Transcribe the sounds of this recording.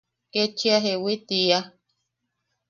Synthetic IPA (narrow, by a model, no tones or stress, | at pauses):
ket͡ʃiaɦewit̪ia